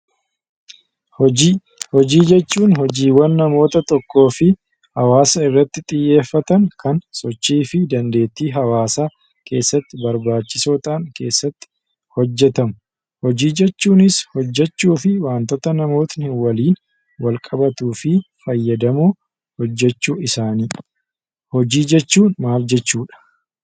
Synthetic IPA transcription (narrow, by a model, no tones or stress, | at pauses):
hɔd͡ʒiːd͡ʒɛt͡ʃːuːnhɔd͡ʒiːwːɐnːɐmo̞ːt̪ɐt̪ɔkːo̞ːfɪ | hɐwaːsɐɪrːɐt̪ːɪt̪ʼɪjːe̞ːfːɐt̪ɐŋkɐnsɔt͡ʃːiːfɪd̪ɐnd̪e̞ːt̪ːiːɦɐwaːsaː | kʰe̞ːsːɐt̪ːɪbɐɾbaːt͡ʃːɪsoːt̪ʼaːŋke̞ːsːɐt̪ːɪ̥ | hɔd͡ʒːɛt̪ɐmʊ | hɔd͡ʒiːd͡ʒɛt͡ʃːuːnɪshɔd͡ʒːɛt͡ʃːuːfɪwaːnt̪ɔt̪ɐnɐmo̞ːt̪nɪwɐliːn | wɐlkʼɐbɐt̪uːfɪ | fɐjːɐd̪ɐmuː | hɔd͡ʒːɛt͡ʃːuːɪsaːniː | hɔd͡ʒiːd͡ʒɛt͡ʃːuːnmaːld͡ʒɛt͡ʃːuːᶑɐ̥